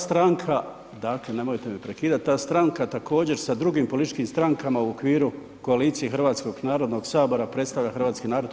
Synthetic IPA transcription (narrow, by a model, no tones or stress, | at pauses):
st̪ɾaŋkʰa | d̪aklene̞mojt̪e̞mipɾe̞kiːd̪at̪̚ʲt̪ːaːst̪ɾaŋkat̪akʰo̞ːd͡ʑe̞ɾsad̪ɾuɡiːmpo̞lit̪it͡ʃkiːmst̪ɾaŋkamauokʋiːɾu | ko̞aliːt̪sijexrʋaːt̪sko̞ɡnaːɾo̞d̪no̞ɡsaːbo̞ɾapɾet̪st̪aʋlʎaxr̩ʋaːt̪skiːnaːɾo̞d̪